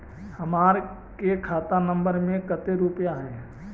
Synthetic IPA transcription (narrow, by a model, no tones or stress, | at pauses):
hɐmaːɾ | kekʰaːt̪anə̃mbəɾmẽkət̪eɾupjaɦɛː